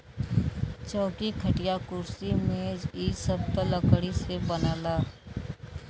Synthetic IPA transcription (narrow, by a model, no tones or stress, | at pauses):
t͡ʃɔːkikʰəʈijakʊɾsimẽd͡ʒisəb̚t̪ələkɽisebənaːlaː